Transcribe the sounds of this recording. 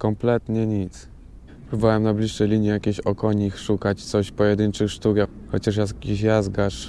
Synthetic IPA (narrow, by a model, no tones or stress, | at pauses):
kɔmplɛt̪ɲɛɲit̪s | pɾubawɛmnablʲiʂːɛjlʲiɲjɛjakʲeɕɔkɔɲixʂukat͡ɕt̪sɔɕpɔjɛd̪ɘnt͡ʂɘxʂt̪ukja | xɔt͡ɕaʂjakʲiɕjazɡaʂ